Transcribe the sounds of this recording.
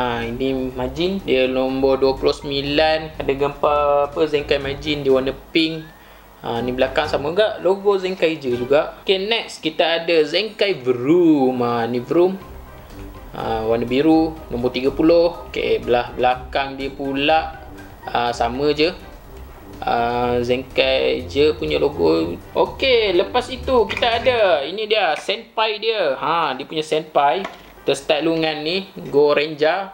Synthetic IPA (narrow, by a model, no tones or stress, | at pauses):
ainimad͡ʒindiəlombɔduəpulohsəmĩlanadəɡəmpaapəzɛŋkajmad͡ʒindiəwanəpiŋ | anibəlakaŋsaməɡaʔloɡozɛŋkajd͡ʒəd͡ʒuɡaʔkenɛk̚skit̪aːdəzɛŋkajvəɾumanivəɾum | ə̰wanəbiɾulombɔt̪iɡapulohka̰ʔeʔbəlahbəlakaŋdiəpulaʔ | əsamə̃d͡ʒə | əzɛŋkajd͡ʒəpuɲəloɡoʔokeləpasit̪ukit̪aːdainidiəsɛnpajdiəhãdiəpuɲasɛnpaj | t̪əsə̥t̪aʔluŋanːihɡoɾɛɲd͡ʒa